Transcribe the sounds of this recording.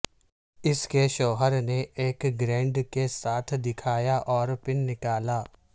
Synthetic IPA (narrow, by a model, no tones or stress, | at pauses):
ɪskeʃɔːɦəɾneʔeːkɡɾɛ̃ːɳɖkesaːt̪ʰd̪ɪkʰaːjaʔɔːɾpɪnːɪkaːlaː